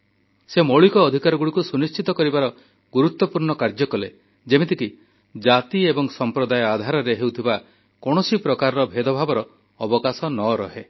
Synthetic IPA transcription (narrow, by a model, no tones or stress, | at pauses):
semoɭikɔːd̪ʱikaɾɔɡuɽikusunist͡ʃit̪ɔkɔɾibaɾɔ | ɡuɾut̪ːɔpuɾɳɔkaɾd͡ʒɔkɔle | d͡ʒemet̪̬iki | d͡ʒat̪iebɔŋsɔmpɾɔd̪ajɔad̪ʱaɾɔɾeɦewt̪ʰiba | kɔɽ̃ɔsipɾɔkaɾɔɾɔbʱed̪ʱɔbʱabɔɾɔː | bɔkasɔnɔɾɔɦe